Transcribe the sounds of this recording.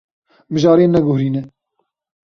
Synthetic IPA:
mɨʒɑːɾeːnɛɡʊhɾiːnɛ

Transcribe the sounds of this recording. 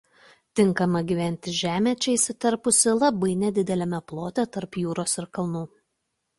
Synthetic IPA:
t̪ʲɪŋˑkɐmɐɡʲiʋʲɛnʲt̪ʲɪʒʲæːmʲɛt͡ʃʲɛɪsʲɪt̪ɐɾpʊsʲɪlˠɐbɐɪnʲɛd̪ʲɪd̪ʲɛlʲɛmʲɛplˠoːt̪ʲɛt̪ɐɾpjuːɾoːsɪɾkɐlˠnuː

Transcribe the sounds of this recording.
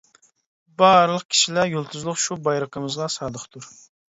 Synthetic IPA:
bɑɾlˠəq̚kʲʰi̥ʃilæɾjolˠt̪ʰuzlˠʊχʃubɑjɾəqʰəmɨzʁɑsɑːd̪əχt̪ʰuɾ

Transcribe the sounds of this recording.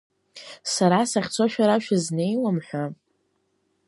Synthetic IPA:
saɾasaχʲt͡sʰoʃᶣaɾaʃᶣazne̞jlamħʷᶣa

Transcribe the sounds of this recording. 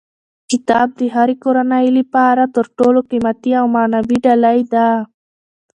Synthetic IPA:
kɪt̪ɑb̚d̪əɦaɾikoɾanajlipɑɾat̪əɾʈoloqimat̪iawmanawiɖalajd̪a

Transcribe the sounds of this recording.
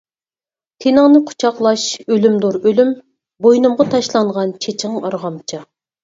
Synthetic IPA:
t̪ʰenɨŋnɨqʰʊ̥t͡ʃʰɑqlˠɑʃølymd̪oɾølym | bojnɨmʁɑt̪ʰɑʃlˠɑɴʁɑnt͡ʃʰet͡ʃʰɪŋɑɾʁɑmt͡ʃʰɑ

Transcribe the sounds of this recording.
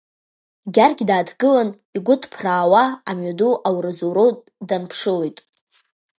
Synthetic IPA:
ɡʲarɡʲdaːdɡɨlan | iɡʷʊdʰpʰraːwaamɥaduʔawrɨzuɾo | danpʰʂɨlojtʼ

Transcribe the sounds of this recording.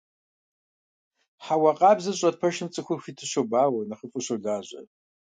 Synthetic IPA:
ħawɐqʼaːbzɨɕʼɐd̚pʰɐʃɨmt͡sʼɨxʷʊrxʷitʰɨɕʷobaːwɐnɐχəpʷʼʊɕʷɐrdaːʑʷʼɐ̰

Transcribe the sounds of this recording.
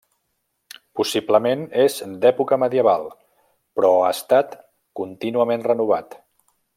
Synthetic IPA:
pusibləmenezd̪ɛpukəməðiəβalˠ | pɾɔast̪at̪ | kunt̪inuəmenrənuβ̞at̪

